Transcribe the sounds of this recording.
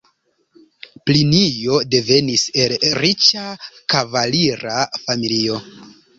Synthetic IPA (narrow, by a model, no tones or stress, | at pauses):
plinijo̞de̞ve̞nise̞lɾit͡ʃakavaliɾafamilio̞